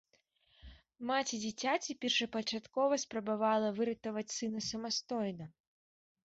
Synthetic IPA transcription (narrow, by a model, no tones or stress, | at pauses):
mat͡sʲid͡zʲit͡sʲat͡sʲipʲɛrʂɐpɐt͡ʂat̪kɔvɐspɾɐbavalˠɐvɨɾɨt̪ɐvɐt͡sʲsɨnɐsɐmast̪ɔjnɐ